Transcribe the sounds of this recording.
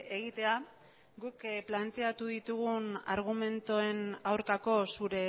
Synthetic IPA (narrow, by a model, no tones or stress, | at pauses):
eɣit̪e̞a | ɡukplant̪e̞at̪uðit̪uɣuna̰ɾɣ̞ume̞nt̪oe̞nawɾkako̞suɾe̞